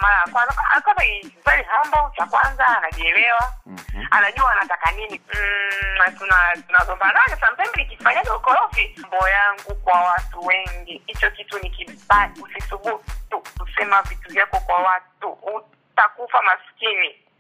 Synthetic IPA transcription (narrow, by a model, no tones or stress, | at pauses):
malajakanaka̰akanaizaliɦambɔt͡ʃakwanzaːnaɗiɛlɛwaanaʄuaːnatakanininatunatunazɔmbanakasam̩pɛmbɛikifaɲaɔukɔlɔfimbɔjaŋɡukwawatuwɛŋɡihit͡ʃɔkitunikibatusisukutukusɛmavituvjakɔkwawatuu | takufamaskini